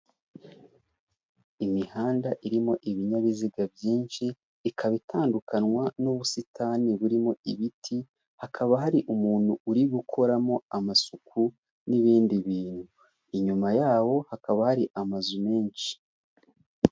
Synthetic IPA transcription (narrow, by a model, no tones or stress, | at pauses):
imihaːndaʔiɾimo̞ʔiβiɲaβiziɡabjiːnʃiː | kʰaβitʰaːndukanwanuβusitʰaːniβuɾimo̞iβitʰi | hakʰaβaɦaɾiʔumuːn̥huuɾiɡukʰo̞ɾamo̞amasukʰu | niβiːndiβiːnhu | iɲumajaːwo̞hakaβahaɾiʔamazume̞ːnʃi̥